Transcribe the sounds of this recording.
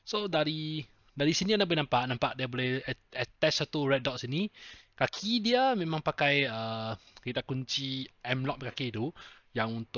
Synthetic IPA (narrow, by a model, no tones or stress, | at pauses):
sodaɾi | daɾisinianabolɛnampaʔnampaʔdiabolɛhɛt̪ɛssat̪uɹɛt̚dɔtsinikakʰidiəmẽmãŋpakajəkit̪akuɲt͡ʃiʔɛmlɔʔ̚məkakit̪u | jaŋunt̪ʊ